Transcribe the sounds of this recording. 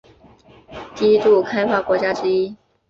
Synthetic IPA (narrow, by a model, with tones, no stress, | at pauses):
t̪i˥t̪u˥˩kʰa˥ɪfa˥kwɔ˧˥t͡ɕja˥ʈ͡ʂɻ̩˥i˥